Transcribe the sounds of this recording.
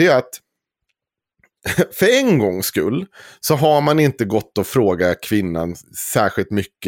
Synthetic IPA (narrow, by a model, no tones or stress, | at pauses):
ɛat̪ | fœɾɛnɡɔŋːskɵ̰lːsɔɦaɾmanɪnt̪əɡɔt̪ːɔfɾoːɡakʰvɪnːa̰nsæːɧɪlt̪mʏkːə